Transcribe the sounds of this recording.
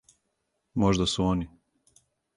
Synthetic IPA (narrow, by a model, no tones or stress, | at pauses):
moʒd̪asuoni